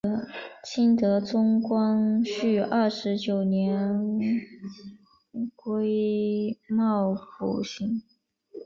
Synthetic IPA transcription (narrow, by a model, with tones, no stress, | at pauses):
t͡ɕʰi˥nt̪ɤ˧˥t͡sʊ˥ŋkwɑ˥ŋɕy˥˧˩ʔɐ˥˩ʂɻ̩˧˥t͡ɕjo˨˩ʊnjɛ˧˥n | kwe˥ɪ | mɑ˥˩ʊfṵ˨˩ɕi˧˥ŋ